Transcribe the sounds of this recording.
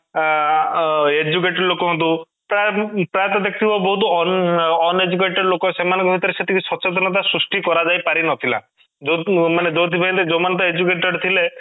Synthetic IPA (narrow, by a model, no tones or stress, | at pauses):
ed͡ʒuk̬eʈɔɾlokɔɦɔnt̪u | pɾapɾajt̪ɔd̪ek̚t̪ʰibɔbɔɦut̪ɔnɔned͡ʒuk̬eʈɔɖlokɔsemanɔŋkɔbʱit̪ɔɾeset̪ʰikʰusɔt͡ʃet̪ɔnɔt̪̬asɾusʈikɔɾad͡ʒajpaɾinɔt̪ʰila̰ | d͡ʒomaned͡ʒot̪ʰibʱaĩnt̪ed͡ʒomant̪ɔed͡ʒukeʈɔɖt̪ʰile